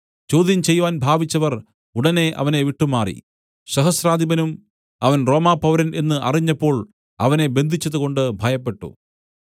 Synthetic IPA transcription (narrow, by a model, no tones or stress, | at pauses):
t͡ɕo̞ːd̪jɐmt͡ɕe̞jːʋaːnbʱaːʋit͡ɕːɐʋɐr | uɽɐne̞ʔɐ̰ʋɐne̞ʋiʈːumːaːrḭ | ɕɐɦɐsɾaːd̪ʱibɐnum | ɐʋɐnro̞ːmaːpɐʋɾɐne̞nːɨʔɐriɲːɐpːo̞ːɭ | ɐʋɐne̞be̞nd̪ʱit͡ɕːɐðuɣo̞ɳɖɨbʱɐjɐpːe̞ʈːṵ